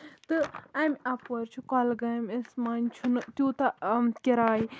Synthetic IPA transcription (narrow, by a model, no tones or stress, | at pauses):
t̪ɨɐmʲɐpɐɾt͡ʃʰukɔlɡɐmʲesmɐnʲt͡ʃʰunɨt̪juːt̪ɐkʲiɾaːji